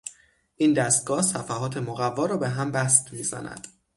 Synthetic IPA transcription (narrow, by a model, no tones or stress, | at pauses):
ʔind̪æst̪̚ɡɒːhsæfæhɦɒːt̪ʰe̞moɣævːɒːɾɒːbe̞ɦæmbæst̪miːzæ̰næ̰d̪̥